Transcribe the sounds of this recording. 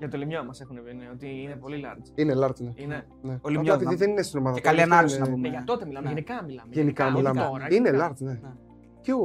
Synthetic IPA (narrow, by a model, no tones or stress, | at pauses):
ʝɐt̪olimɲomɐsexuneineot̪iinepolilɐɾinelɐɾt̪neine | neoliɐmɐp̪iðiðeninest̪ino̞mɐðɐekɐliɐnɐlsɐumʝɐt̪ot̪emilɐmeenikɐmilɐmeʝenikɐmilɐmeoɾinelɐɾt̪ne̞ | ceo